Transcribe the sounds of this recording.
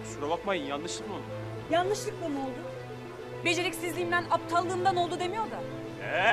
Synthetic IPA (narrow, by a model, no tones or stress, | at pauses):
sɾabakmajɯnjanːɯʃlˠɯkman | janːˠɯʃlˠɯk̚lˠano̞lˠd̪ʊ | be̞d͡ʒe̞ɾɛcsizlʲiːmd̪ænap̚t̪ʰalˠːɯːmd̪ano̞lˠd̪ud̪e̞mijo̞ɾd̪a | ɛ